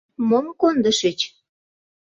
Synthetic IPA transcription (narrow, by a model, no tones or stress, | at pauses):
momkond̪ə̆ʃət͡ɕ